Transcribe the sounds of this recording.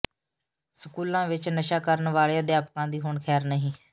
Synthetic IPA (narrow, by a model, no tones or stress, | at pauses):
səkuːlãːʋɪt͡ʃnəʃaːkəɾənʋaːɭeãːd̪ɪjaːpkãːd̪iːɦʊɳkʰɛːɾnəɦĩː